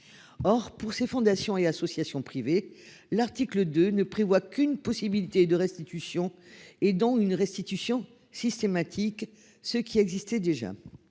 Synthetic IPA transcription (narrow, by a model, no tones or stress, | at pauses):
ɔʁpuʁsefɔ̃d̪asjɔ̃easɔsjasjɔ̃pχive | laʁt̪ikləd̪ønəpχevwakynpɔsibilit̪ed̪əʁɛst̪it̪ysjɔ̃ed̪ɔ̃ynʁɛst̪it̪ysjɔ̃ | sist̪emat̪ʰik | səkʲiɛɡzist̪ɛd̪eʒa̰